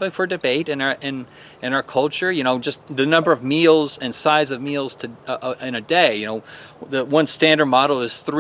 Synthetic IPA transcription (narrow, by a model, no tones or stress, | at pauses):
bɪ̃ŋfə˞dɨbeɪɾɨ̃nʔɪ̃n | ɨ̃naʊə˞kʰʌlˠt͡ʃə˞jɨñoʊd͡ʒʌsðɨnʌ̃mbə˞ʌvmilˠzɨ̃nsaɪzʌvmilˠz̥tʰɨʔɪ̃nɨdeɪjɨnoʊðɨwʌ̃nstæ̃ndə˞d̚mɑɾl̩ˠɨz̥θɹ